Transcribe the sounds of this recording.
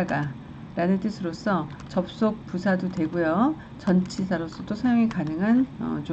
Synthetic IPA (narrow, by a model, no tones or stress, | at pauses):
aɡa | ɾanɯnt͈ɯsʰɯɾos͈ʰʌ | t͡ɕʌp̚s͈ok̚pusʰadotwe̞ɡujo | t͡ɕʌnt͡ɕʰisʰaɾos͈ʌd͈osʰajoŋikanɯŋɦanʌ̰t͡ɕo